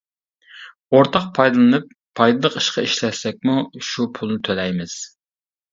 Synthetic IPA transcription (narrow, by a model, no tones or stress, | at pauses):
oɾt̪ʰɑq̚pʰɑjd̪ɨlˠɨnɨpʰːɑjd̪ɨlˠəqi̥ʃqɑiʃlɛsɛk̚ʲmuʃupʰulˠnɨt̪ʰølɛjmɪz̥